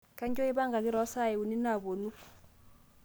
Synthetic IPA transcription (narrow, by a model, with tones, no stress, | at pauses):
ka˦ɲkʼɔ˦i˦ba˦ŋɡa˨ki˦ɾɔ˨˦sa˦˨ɛ˨u˨ni˦na˦˨βo˨nu˦